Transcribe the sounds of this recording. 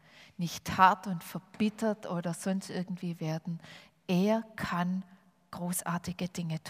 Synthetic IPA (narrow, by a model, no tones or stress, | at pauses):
nɪçthaɐtʊntfɛɐb̥ɪtʰɐtʔoːdɐz̥ɔnstʔɪɐɡŋ̩tv̥iːveːɐdn̩ | ʔeːɐkʰan | ɡ̥ʁoːsʔa̰ːɐtɪɡ̥əd̥ɪŋətʰ